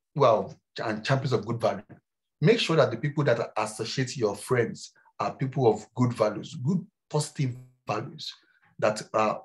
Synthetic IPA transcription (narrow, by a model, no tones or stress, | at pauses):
wɛlˠ | ãnt͡ʃãmp̬iə̃nsɔvɡudvalju | mekʃɔðat̚dəpipl̩ˠdatasoʃietjɔfɹɛ̃ndz̥ | apipl̩ˠɔvɡudvaljuzɡud̚pʰɔsi̥tivː | aljuz̥ | ðata